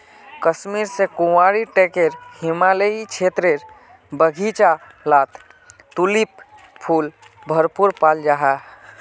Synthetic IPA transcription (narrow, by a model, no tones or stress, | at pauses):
kəsmiɾsekuwaɾiʈekeɾhimaleit͡ʃʰet̪ɾeɾ | bəɡʱit͡ʃa | lat̪ | t̪ulip | pʰul | bʱəɾpuɾpald͡ʒaɦa